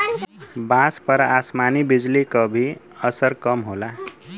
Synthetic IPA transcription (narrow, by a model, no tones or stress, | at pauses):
bãspʌɾasmanibid͡zlikʌbʱiʌsəɾkʌmɦola